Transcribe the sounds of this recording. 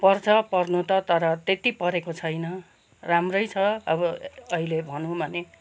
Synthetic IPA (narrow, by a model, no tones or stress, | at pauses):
pʌrt͡sʰʌpʌrnut̪ʌt̪ʌɾʌt̪et̪ipʌɾekot͡sʰʌjnʌ | ramrʌjt͡sʰʌʌbʌʌɦilebʱʌnũbʱʌne